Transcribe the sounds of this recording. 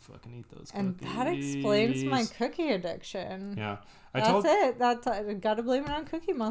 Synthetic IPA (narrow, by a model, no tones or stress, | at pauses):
fʌ̰knḭðo̰ʊz̥ɨ̃nðəɾɨksplẽɪ̃nzmaɪkʰʊkiɨdɪ̰kʃɨ̰̃njæ̰ | aɪðæætsɪt̚ðætsʌɡɑɾɨbl̃iɪ̃məɹ̃ʊ̃nkʰʊkimʌ̃